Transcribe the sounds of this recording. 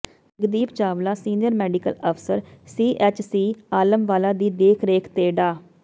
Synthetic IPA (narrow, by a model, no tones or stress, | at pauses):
əɡd̪iːpt͡ʃaːʋlaːsiːnɪjəɾmɛːɖɪkələpʰsəɾsiːʔɛːt͡ʃsiːaːləmʋaːlaːd̪iːd̪eːkʰɾeːkʰt̪eːɖaː